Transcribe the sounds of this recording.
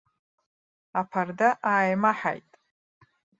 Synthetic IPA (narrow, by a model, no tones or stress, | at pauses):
apʰardaʔaːjmaħa̰jtʼ